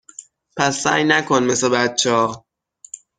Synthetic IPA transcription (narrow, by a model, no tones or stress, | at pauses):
pʰæsːæ̰ːjnækʰonme̞sebæt̚t͡ʃʰːɒː